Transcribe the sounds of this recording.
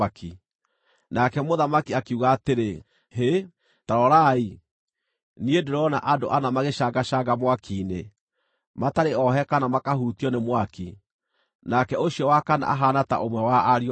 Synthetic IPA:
akʰi | nakɛmoðamakiakiuɣaːteɾe | he | taɾɔɾai | niedeɾɔna̰ʔado̰ʔanamaɣeʃaɡaʃaɡamwakʰine | mataɾeɔɦɛkanamakaɦutiɔnemwaki | nakɛoɕjɔwakana̰ʔaɦanata̰ʔomwɛwaːɾi

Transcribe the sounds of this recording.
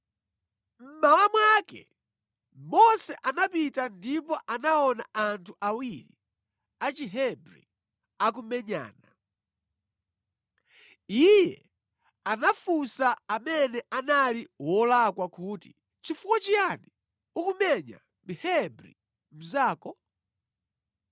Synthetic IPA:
m̩mawamwakɛ̰ | mɔsɛʔanapitandipɔʔanaɔnaantʰuʔawiɾḭ | at͡ʃiɦɛbɾḭ | ak̬umɛɲa̰ːna | ijɛ̰ | anafusaːmɛnɛʔanaliwɔlakwakuːti | t͡ʃifukwat͡ʃiani | ukumɛɲa̰ | mihɛbɾḭ | m̩zaːkɔ

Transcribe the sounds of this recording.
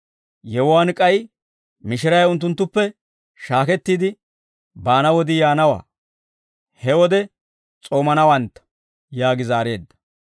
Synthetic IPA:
jɛwʊwankʼɐj | mɪʃɪɾɐjʊnt̪ːʊnt̪ːʊpːɛ | ʃaːkɛt̪ːiːd̪ɪ | baːnɐwɔd̪ɪjaːnɐwa̰ː | hɛwɔd̪ɛ | t͡sʼo̞ːmɐnɐwɐnt̪ːɐ̥ | jaːɡɪzaːɾe̞ːd̪ːɐ̥

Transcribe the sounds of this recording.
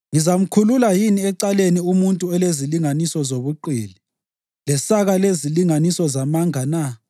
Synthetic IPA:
ŋizam̩kʰululajiniɛǀaleniumuntʼuɛleziliŋanisɔzoβuǃḭːli | lɛsaɣaleziliŋanisɔzamaŋana

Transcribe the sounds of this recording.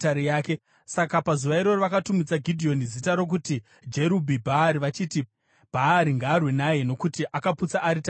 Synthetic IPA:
taɾijaːke̞ | sakapazuʋaiɾo̞riʋakatumid͡zaɡʱidʱio̞nizitaɾo̞k̬uti | d͡ʒe̞ɾubʱibʱaːɾiʋat͡ʃiːti | b̥ʱaːɾiŋɡaːrwenaje̞no̞kutiʔakaput͡saʔːɾita

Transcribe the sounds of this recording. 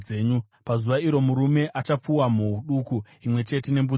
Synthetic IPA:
eːɲu | pazuʋaiɾo̞muɾume̞ʔat͡ʃap͡fuwamuuɗuku | imwe̞t͡ʃe̞te̞ne̞mbu

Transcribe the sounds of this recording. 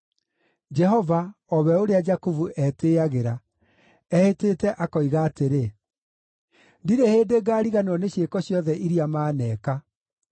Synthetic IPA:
d͡ʒɛɦɔvaɔβɛoɾead͡ʒakuvuʔɛteːaɣeɾa | ɛheteːtɛʔakɔiɣaːteɾe | ndiɾeheːdeɡaːɾiɣanɔneɕekɔɕjɔðɛʔiɾiamaːnɛːka

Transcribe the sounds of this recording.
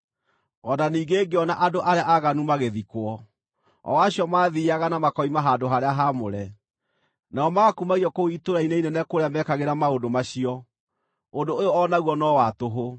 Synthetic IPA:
ɔnaniːɡeːɡeɔnaʔadoʔaɾeaʔaɣanumaɣeðikwɔ | ɔ̰waɕiɔmaːðiaɣanamakɔimaɦadoɦaɾeaɦamoɾɛ | naɔmaakumaɣiɔkoitoɾaineinɛnɛkoɾeamɛkaɣeɾamaondomaɕiɔ | ondoojoɔnaɣwɔnɔwatoɦo

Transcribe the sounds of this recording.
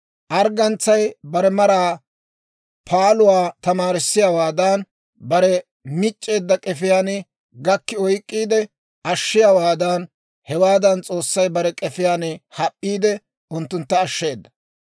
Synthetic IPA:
ʔɐɾɡɐnt͡sːɐjbɐɾɛmɐɾaː | pʰaːlʊwaːt̪ɐmaːɾɪsːɪjawaːd̪aːn | bɐɾɛ | mɪt͡ʃʼːe̞ːd̪ːɐkʼɛfɪjaːnɪ | ɡɐkːɪɔjkʼːiːd̪ɛ | ɐʃːɪjawaːd̪aːn | hɛwaːd̪ɐnt͡sʼo̞ːsːɐjbɐɾɛkʼɛfɪjaːnɪhɐpʼːiːd̪ɛ | ʔʊnt̪ːʊnt̪ːɐːʃːe̞ːd̪ːɐ̥

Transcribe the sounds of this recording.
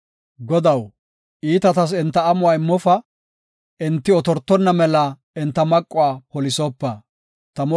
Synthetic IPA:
ɡɔd̪ɐw | ʔiːt̪ɐt̪ɐs̬ɛnt̪ːɐːmʊwaːɪmːɔfɐ | ɪnt̪ːɪɔt̪ɔɾt̪ːɔnːɐmɛlɐ | ɪnt̪ːɐmɐkʼːɔwaːpɔlɪsɔpːɐ | t̪ɐmɔ

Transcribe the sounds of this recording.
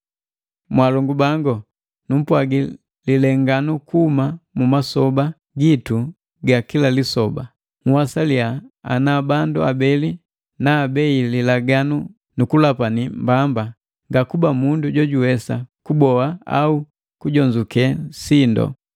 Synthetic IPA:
mwalɔŋɡubaŋɡɔ | num̩pwaɡi | lilɛŋɡanukuhumamumasɔba | ɡitu | ɡakilalisɔba | ŋ̩wasaliaa̰nabanduabɛli | naːbɛililaɡanu | nukulapanimbamba | ŋɡakubamunduɟɔɟuwɛsa̰kubɔaa̰u | kuɟɔɲd͡ʒukɛsindɔ̰

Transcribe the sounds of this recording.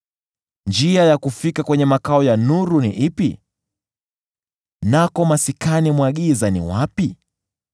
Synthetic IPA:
nd͡ʒiajakufikakwɛɲɛmakaɔjanuɾunḭʔipḭ | nakɔmasikanimwaɠizanḭwapi

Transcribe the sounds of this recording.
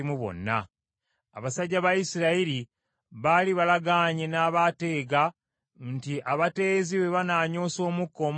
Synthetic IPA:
imuβo̞̰nːa̰ | a̰βasaɟːaβajisiɾaiɾi | βaːliβalaɡaːɲenaːβate̞ːɡa | ntiʔaβate̞ːziwe̞βanaːɲo̞ːso̞ːmukːo̞m

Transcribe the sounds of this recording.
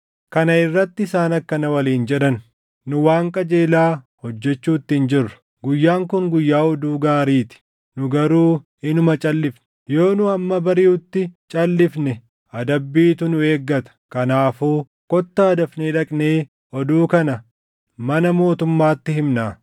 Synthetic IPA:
kɐnɐɪrːɐt̪ːɪɪsaːnɐkːɐnɐwɐliːnd͡ʒɛᶑɐn | nʊwaːŋkʼɐd͡ʒe̞ːlaː | hɔd͡ʒːɛt͡ʃːuːt̪ːɪɪnd͡ʒɪrːɐ̥ | ɡʊjːaːŋkʊŋɡʊjːaːɔd̪uːɡaːɾiːt̪ɪ̥ | nʊɡɐɾuː | ɪnʊmɐt͡ʃʼɐlːɪfnɛ̥jo̞ːnʊɐmːɐbɐɾɪjuːt̪ːɪt͡ʃʼɐlːɪfnɛ | ʔɐd̪ɐbːiːt̪ʊnʊe̞ːɡːɐt̪ɐ̥kɐnaːfuː | kɔt̪ːaːd̪ɐfneːᶑɐkʼneː | ʔɔd̪uːkɐnɐ | mɐnɐmo̞ːt̪ʊmːaːt̪ːɪhɪmnaː

